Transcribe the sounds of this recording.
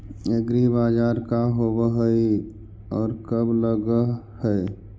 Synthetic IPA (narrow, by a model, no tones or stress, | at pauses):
eɡɾibaːd͡ʒaːɾkaɦobəɦəi | ɔːɾkəbləɡə | həe